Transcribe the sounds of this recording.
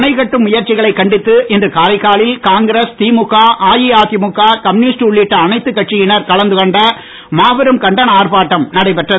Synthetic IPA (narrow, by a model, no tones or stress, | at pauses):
nɐɪɣɐʈːɯmʊjɐɾt͡ʃɪɣɐɭɐɪkːɐɳɖɪt̪ːɯʔɪndrɯkaːɾɐɪkaːɭɪlkaːŋɡɪɾɐst̪iːmʊkːaːʔaːjiaːðɪmʊkːaːkɐmnɪsʈʊɭːɪʈːɐːnɐɪt̪ːɯkːɐʈt͡ʃijɪnɐɾkɐɭɐnd̪ɯkɔɳɖɐ | maːʋɐɾɯmkɐɳɖɐnɐaːɾpaːʈːɐmnɐɽɐɪpɛʈrɐ